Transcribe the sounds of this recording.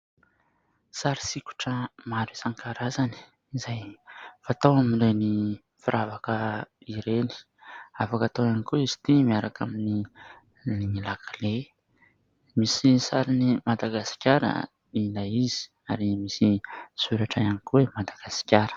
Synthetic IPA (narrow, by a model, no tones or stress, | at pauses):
saɾi̥siku̥ʈ͡ʂəmaɾisaŋkaɾazani̥ | izajfat̪owaminreni | fiɾʔavakəiɾeni̥ | afakat̪owanikuizi̥t̪imiaɾakamini | niŋilakʰale | misisaɾinimad̪aɡasi̥kʲaɾə̰ | ilaizi̥ | aɾimisiz̥uɾaʈ͡ʂaanikuwemad̪aɡ̥asi̥kʲaɾə̥